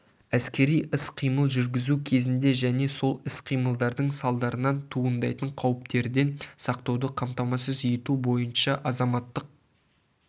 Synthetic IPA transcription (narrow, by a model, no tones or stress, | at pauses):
æskʲe̞ɾijʔɪsqʰijməlˠʒʏɾɡʲɪzukʲʰe̞zɪnd̪e̞ʒæne̞so̞lˠɪsqʰijməlˠd̪ɑɾd̪əɴsɑlˠd̪ɑɾənɑnt̪ʰuənd̪ɑjt̪əɴqʰɑwəp̚t̪e̞ɾd̪e̞nsɑq̚t̪ɑwd̪əqʰɑmt̪ɑmɑsəzjet̪ubo̞jənʃɑʔɑzɑmɑt̪ːəq̚